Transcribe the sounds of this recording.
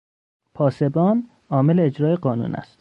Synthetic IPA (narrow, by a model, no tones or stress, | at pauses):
pʰɒːse̞bɒːn | ɒːmeleːd͡ʒɾɒːjeɢɒːnṵːnæ̰st̪